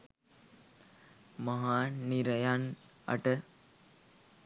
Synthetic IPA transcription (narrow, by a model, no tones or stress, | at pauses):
mɐɦaːniɾəjanə̰ʈə